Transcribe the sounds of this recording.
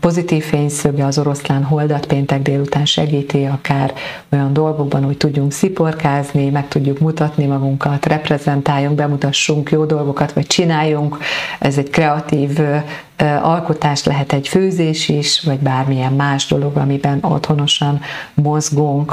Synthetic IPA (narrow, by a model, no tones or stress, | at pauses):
po̞zit̪iːfːeːɲsøɡɛɒzo̞ɾo̞slaːnɦo̞ld̪ɒt̪peːnt̪ɛɡd̪eːlut̪aːnʃɛɡiːt̪iɒkaːr | ojɒnd̪o̞lɡo̞ɡ̚bɒnho̞c̚t̪uɟːuŋksipo̞rkaːznimɛk̚t̪uɟːukmut̪ɒt̪nimɒɡuŋkɒt̪rɛprɛzɛnt̪aːjːuŋɡbɛmut̪ɒʃːuŋkjoːd̪o̞lɡo̞kɒt̪ʋɒc̚t͡ʃinaːjːuŋkɛzɛɟkrɛɒt̪iːv | ɒlko̞t̪aːʃt̪lɛɦɛt̪ɛɟføːzeːʃiʃvɒɟbaːrmijɛmːaːʒd̪o̞lo̞ɡɒ̰mibɛno̞̰t̪ho̞no̞ʃɒnmo̞zɡuŋk